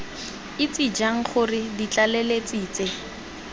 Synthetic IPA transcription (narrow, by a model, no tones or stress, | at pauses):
ɪt͡sid͡ʒaŋ̩χʊrɪdit͡ɬalelet͡siːt͡se